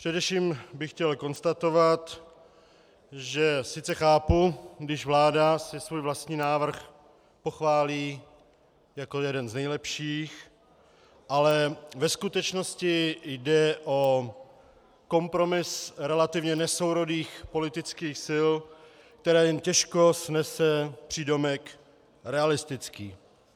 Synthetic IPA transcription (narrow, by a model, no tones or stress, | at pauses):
pr̥ɛdɛfʃiːmbɪxcɛlko̞nst̪at̪o̞vat̪ | ʒɛsɪt͡sɛxaːpuɡdɪʒvlaːdasɪsvuːjvlast̪ɲiːnaːvr̩x | po̞xvaːliː | jakojɛdɛnznɛjlɛpʃiːx | ʔalɛvɛskut̪ɛt͡ʃno̞scɪjdɛʔo | ko̞mpɾo̞mɪsɾɛlat̪ɪvɲɛnɛso̞wɾo̞diːxpo̞lɪt̪ɪt͡skiːxsɪl | k̚t̪ɛɾɛːjɛmcɛʃko̞snɛsɛpr̝̥iːdo̞mɛk | ɾɛalɪst̪ɪt͡skiː